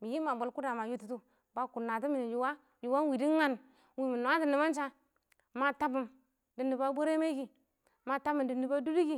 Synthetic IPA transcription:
mi˨ji˦ma˨bo˨lku˦da˨ma˨ju˦tu˦tu˦ | ba˨ku˨na˨t̬u˦mi˨ni˨ju˨wa˦ | ju˨wa˦wi˨di˦ŋa˦n | wi˨mi˨nu˨a˦di˨ni˨ba˦n˦t͡ʃa˦ | ma˨ta˦bu˨m | di˨ni˨ba˦bo˦ɾe˦me˦ɡi˨ | ma˨ta˦bi˨ndi˨ni˨ba˦du˦du˦ɡi˦

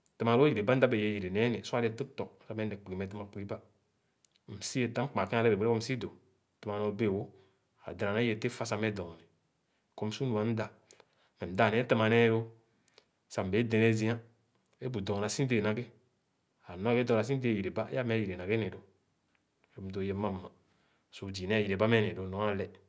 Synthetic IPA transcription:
tɨ˨ma˨ɾo˦i˨ɾe˨ba˦n̩˦da˦be˨je˨˦˨ji˨ɾe˨ne˨˦nɛ˨su˦a˦e˦tɨ˦ktɔ˨k̩̚˦sa˦mɛ˦nɛ˨k͡pi˨ɡi˨mɛ˨tɨ˦ma˨k͡pi˨ɡi˦ba˦˨ | m̩˨si˦e˨ta˦m̩˦k͡pa˨ki˦a˦le˦be˨be˦e˦o˦m̩˦si˦do˨ | tɨ˨ma˨no˨˦be˦˨wo˦ | a̰˨dɾa˨ne˦je˨te˦fa˦sa˨me˦dɔ˨ni˨ | ko˦m̩˦su˦nu˨a˨n̩˦da˨ | mɛ˨m̩˨da˦˨nɛ˨˦tə˦ma˨nɛ˦jo˦ | sa˨m̩˨be˨˦de˧ne˦zĩ˦a˦ | e˦bu˨dɔ˨na˨si˦de˨na˨ɡe˦ | a˨nɔ˦ke˦dɔ˨a˨s̬i˦de˦˨ji˨ɾe˨ba˦ja˦mɛ˨˦ji˨ɾe˨na˨ɡe˦ne˨do˨ | o˦m̩˦do˨je˨˦ma˦mː˦a˨ | su˨d͡ʒi˨nɛ˦ji˨ɾe˨ba˦mɛ˦ne˨do˨nɔ˨˦a˦lɛ˨

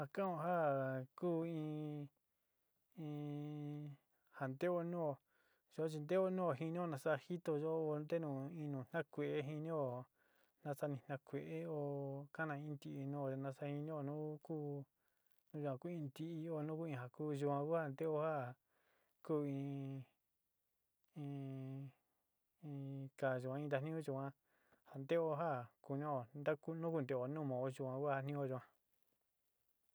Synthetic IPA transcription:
ha˧kã˦õ˧ɦa˦kuː˦ĩː˧ | ĩ˧ | ha˨nd̪e˦o˧nũː˦o˧ | ʒo˧˨˦t͡ʃi˧nd̪e˦o˦nũ˦o˧˨ɦi˧nĩ˦o˧nã˧sa˦˧hi˦t̪o˧ʒo˧˦o˧nd̪e˦nũː˨ĩ˧nũː˨n̥ã˦kʷe˨ʔe˦ɦi˧nĩ˦o˧˨ | nã˧sa˧nĩ˧˨n̥ã˧kʷe˨ʔe˦o˧ka˦nã˧ĩ˧˦˧nd̪i˧ʔi˧nũ˦o˨e˧nã˧sa˦hi˧nĩ˦o˧nũ˦kuː˦ | nũ˦ʒu˧kʷã˧ku˦ĩ˧nd̪i˧ʔi˧o˧˨˧nũ˦ku˦ĩ˧ɦa˧kuː˦ʒu˧kʷã˧ku˦ha˦˧˨nd̪e˦o˧˦ha˦ | kuː˦˨ĩ˧ | ĩ˧ | ĩ˧ka˨ʒu˨kʷã˧ĩ˧d̪a˧n̥ĩ˦õ˦ʒu˧˨kʷã˧ | ha˨nd̪e˦o˧˦ɦa˦ku˧ɲõ˦o˧˨nd̪a˦ku˦nũ˦ku˧nd̪e˧˨o˧nũː˦mõ˨o˧ʒu˧kʷã˧ku˦a˧nĩ˦o˧ʒu˧kʷã˧

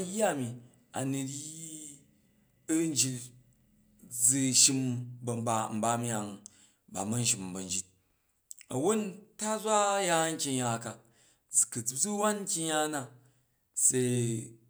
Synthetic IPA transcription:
ja˦˨mi˨ | a̰˨nu˨ɾji˦ | ɐ˦n˦d͡ʒi˧t | d͡zi˧ʃi˦mbɐ˨mba˨m̩˨˦ba˦mʲ˦a˨ŋ | ba̰˨mɐ˦n̩˦ʃ̬i˨mbɐ˨nd͡ʒi˦t̚ | ɐ˨wo˦nta˦zʷa˦ja˦ŋ̩˦kʲi˧ja˨ka˨ | d͡zkɐ˨d͡zd͡zu˦wa˦nŋ̩˦kʲi˦ɲa˧˦na˨ | se˧

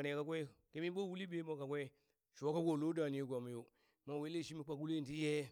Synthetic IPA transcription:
ka˦kʷe˦ke˦mi˦bo˦˨wu˦li˦be˦mo˦ka˨kʷe˦ | ʃu˨wa˦ka˦ɡʷo˨lo˦da˨ni˦jɡʷa˨mu˨jo˦ | ma˦˨we˦le˦˨ʃi˦mi˦k͡pa˦ku˦le˦˨n˨ti˦je˦

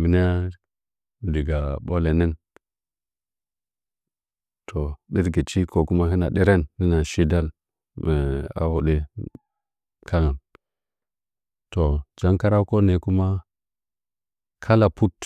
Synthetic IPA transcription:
mi˨n˦a˦˨ | di˨ɡa˨ɓo˦le˨ni˦n | tʰo˨ɗi˦ɾɡi˨t͡ʃi˦ko˨ku˦ma˦ɦi˦na̰˨ɗi˦ɾe˦nhi˦na˨ʃi˦da˦l | m˨a̰˨wu˨ɗe˦ | kʰa˦ŋa˨n | to˨d͡ʒa˦ŋka˦ɾa˦ko˦ne˨ku˦ma˦ | kʰa˦la˨pu˦t

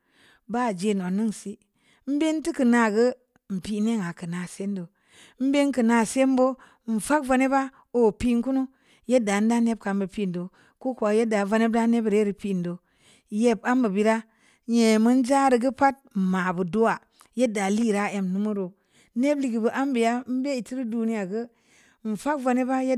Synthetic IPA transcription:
ba˦˨d͡ʒe˨n˨o˨nɨ˦ŋsi˦ | m̩˦be˦nti˦kɨ˨na˨ɡə˦ | m̩˨pi˨ne˦ŋa˨kɨ˨na˨se˦ndo˨˦ | m̩˦be˦ŋkɨ˨na˨se˦mbo˦ | n̩˨fa˦kva˧ne˦ba˦ | o˨pi˦ŋku˦nu˦ | je˦da˨n̩˦da˦ne˦b̚ka˨m˦bə˨pi˦˨n˨do˨ | ko˦ku˨a˨je˦da˨va˧ne˦b̚da˦ne˦bɾe˦ɾi˨pi˦˨n˨do˨ | je˦˨ba˦mbə˨bi˦ɾa˦ | ɲe˨mɨ˦n˦d͡ʒa˦ɾi˨ɡə˦pa˦t̚ma˨bu˨do˦wa˨ | je˦da˨li˦˨ɾa˦e˨mnu˦mu˦ɾo˨ | ne˦bli˨ɡi˨bə˨ʔa˦mbi˨ja˦m̩˦be˦i˨ti˦ɾi˦du˦ni˦ja˨ɡə˦ | m̩˨fa˦kva˧ne˦ba˦je˦

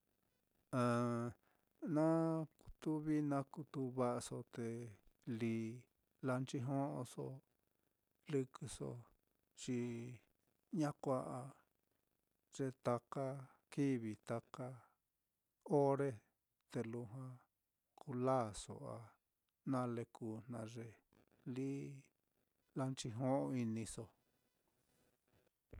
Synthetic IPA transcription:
ã˨ | nã˦ku̥˧t̪u˦βi˦nã˧ku˧t̪u˧βa˦ʔa˧so˧t̪e˨liː˨ | la˧nt͡ʃi˦ɦõ˦ʔõ˧so˧ | lɨ˧kɨ˧so̰˧ | t͡ʃi˧ | ɲã˦kʷa˧ʔa˧ | ʐ̥e˧t̪a˧ka˦ | ki˦βi˨t̪a˧ka˧ | o˦ɾe˦ | t̪e˧lu˧ɦã˧ | kʰu˧laː˦˨so̰˨a˨ | nã˦˧le˧kʰu˧n̥nã˧ʐe˧ | li˦ | la˧nt͡ʃi˧ɦõ˦ʔõ˧i˧nĩ˧so˧

